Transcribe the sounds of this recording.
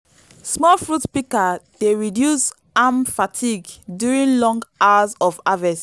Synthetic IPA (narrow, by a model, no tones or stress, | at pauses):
smɔlfɹutpikad̥eɹidjus | amfatʰiɡdjuɹĩnlɔ̃ŋɡawazɔvavɛs